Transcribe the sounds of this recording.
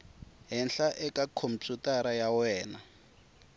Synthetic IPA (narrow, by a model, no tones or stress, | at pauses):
ɦɛnɬaʔɛkakʰom̩t͡ʃutaɾajawɛːna